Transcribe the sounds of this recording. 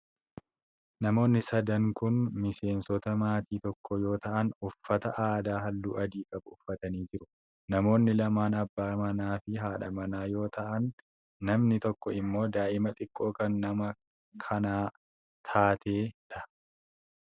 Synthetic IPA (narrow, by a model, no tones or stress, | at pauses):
nɐmo̞ːnːɪsɐd̪ɐŋkʊnmɪse̞ːnsɔt̪ɐmaːt̪iːt̪ɔkːɔjo̞ːt̪ɐʔɐnʊfːɐt̪ɐʔaːd̪aːɦɐlːuːʔɐd̪iːkʼɐbʊʊfːɐt̪ɐniːd͡ʒɪɾʊ | nɐmo̞ːnːɪlɐmaːnɐbːaːmɐnaːfɪɦaːᶑɐmɐnaːjo̞ːt̪ʰɐʔɐnː | ɐmnɪt̪ɔkːɔɪmːo̞ːd̪aːʔɪmɐt̪ʼɪkʼːo̞ːkɐnːɐmɐ | kʰɐnaː | t̪ʰaːt̪ʰe̞ːᶑɐ